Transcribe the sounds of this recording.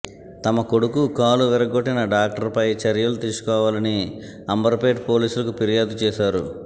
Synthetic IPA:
t̪ɐmɐko̞ɽukukaːluʋɛɾɐɡoʈːinɐɖaːk̚ʈɐɾpɐjt͡ʃɐɾjɐlut̪iːsu̥kɔːʋaːlɐni | ɐmbɐɾpeːʈpoːliːsulɐkupiɾijaːd̪ut͡ʃɛːʃaːɾṵ

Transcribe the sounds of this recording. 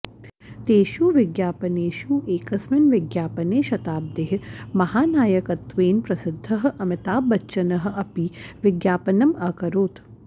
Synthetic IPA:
t̪eːʃuʋɪɡjaːpɐneːʃuʔeːkɐsmɐnʋɪɡjaːpɐneːʃɐt̪aːb̚d̪eːɦmɐɦaːnaːjɐkɐt̪ʋeːnpɾɐsɪd̪ʱːɐɦʔɐmɪt̪aːbɐt͡ʃːʃɐnɐɦ̆ɐpiʋɪɡjaːpɐnɐmɐkɐɾoːt̪

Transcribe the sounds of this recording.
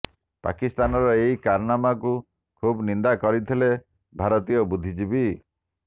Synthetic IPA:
pa̰kist̪anɔɾɔeikaɾnamaku | kʰubnind̪akɔɾit̪ʰile | bʱaɾɔt̪ijɔbud̪ʱid͡ʒibi

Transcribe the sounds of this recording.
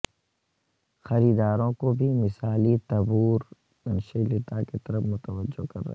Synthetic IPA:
xɐɾiːd̪aːɾõkobʱimɪsaːlit̪ɐbuːɾ | ɐnʃilɪt̪aket̪ɐɾəfmʊt̪əʋəd͡ʒokɐ̰ɾːɐ̰ɦ

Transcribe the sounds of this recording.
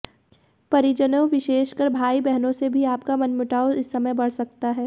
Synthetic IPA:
pɐɾɪd͡ʒənõʋɪʃeːʃkɐɾbʱaːibɛɦnõsebʱiaːpkamɐnmʊʈaːoɪsːɐməjbɐɽ̤sɐk̚t̪aɦɛː

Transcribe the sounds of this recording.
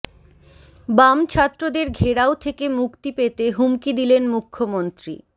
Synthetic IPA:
bamt͡ɕʰat̪ːɾod̪eɾɡʱeɾaot̪ʰekemukt̪ipet̪eɦumkid̪ilenmukʰːomont̪ɾḭ

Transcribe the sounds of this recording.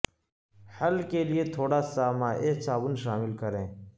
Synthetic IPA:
həlkelieːt̪ʰoːɽaːsaːmaːʔeːsaːbʊnʃaːmɪlkəɾẽː

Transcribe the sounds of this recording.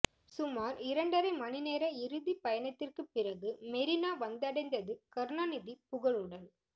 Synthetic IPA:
sʊmaːɾɪɾɐɳɖɐɾɐɪmɐnɪneːɾɐɪɾɯðipɐjɐnɐt̪ːɪrkɯpːɪrɐɣɯmɛɾɪnaːʋɐnd̪ɐɽɐɪnd̪ɐðɯkɐɾnɐnɪðipʊɣɐɭɯɽɐl

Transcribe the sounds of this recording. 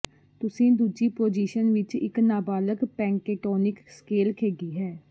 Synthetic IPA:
t̪ʊsĩːd̪uːd͡ʒiːpoːd͡ʒiːʃənʋɪt͡ʃɪ̰knaːbaːləkpɛ̃ːŋkeːʈɔːnɪkskeːlkʰeːɡiːɦɛː

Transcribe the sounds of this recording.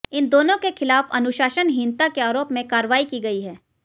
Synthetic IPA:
ɪnd̪oːnõkexɪlaːfɐ̰nʊʃaːʃənɦɪ̃nt̪akeaːɾoːpmẽkaːɾəʋaːikiɡɐiɦɛː

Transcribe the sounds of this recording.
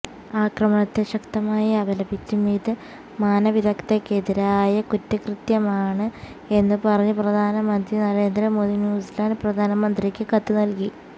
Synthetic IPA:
aːkrɐmɐɳɐt̪ːeɕɐkt̪ɐmaːjɐɐbʱɐlɐbit͡ɕːumiːðɨ | maːnɐʋid̪ʱɐkt̪ekːeðiɾaːjɐkutːɐkrɨt̪jɐmaːɳɨ | e̞nːɨpɐrɐɲːuprɐd̪ʱaːnɐmɐnd̪rinɐɾe̞ːnd̪ɾɐmoːdðinjuːslaːnprɐd̪ʱaːnɐmɐnd̪rikʲːɨkɐt̪ːunɐlki

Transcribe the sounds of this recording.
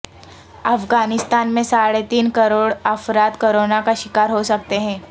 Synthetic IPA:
əfɡanɪst̪aːnmẽsaɽet̪iːnkəɾoːɽəfɾat̪koɾonakaʃɪkaːɾɦosək̚t̪eɦɛ̃

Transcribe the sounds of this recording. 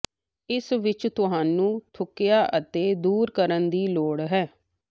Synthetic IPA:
ɪsʋɪt͡ʃt̪ʊɦãːnũːt̪ʰʊkːjaːʔət̪eːd̪uːɾkəɾənd̪iːloːɽɦɛː

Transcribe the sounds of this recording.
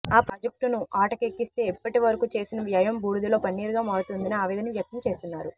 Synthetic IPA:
aːpɾɐd͡ʒɐk̚ʈunuʔaːʈɐkekːist̪e̞ːɛpːɐʈiʋɐɾɐkuːt͡ʃe̞ːsinɐʋjɐjɐmbuːɽud̪iloːpɐnːiːɾuɡaːmaːɾɐt̪und̪inɐaːʋiːd̪ɐniʋjɐk̚t̪ɐmt͡ʃe̞ːst̪unːaːɾu

